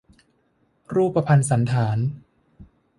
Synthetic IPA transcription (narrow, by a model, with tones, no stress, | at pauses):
ɾuː˥˩pːa˧pʰa˧nsa˩˦nt̪ʰaː˩˦n